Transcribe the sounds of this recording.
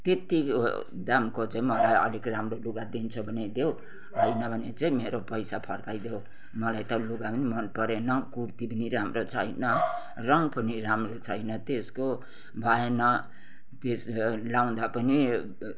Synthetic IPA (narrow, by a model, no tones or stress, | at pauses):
t̪et̪ḭ | d̪amkot͡sʌĩmʌlajʌ̰likramroluɡad̪int͡sʰʌbʱʌned̪ew | ɦʌjnʌbʱʌnet͡sʌĩmeɾopʌjsapʰʌrkajd̪ew | mʌlajt̪ʌluɡapʌnimʌnpʌɾenʌkuɾt̪ipʌniɾamrot͡sʰʌjnʌ | rʌŋpʌniramrot͡sʰʌjnʌt̪esko | bʱaenʌ | t̪eslaw̃d̪apʌni